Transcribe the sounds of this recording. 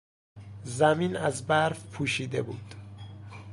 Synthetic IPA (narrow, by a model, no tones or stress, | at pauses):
zæmiːnæzbæɾfpʰuːʃiːd̪ebṵːd̪̥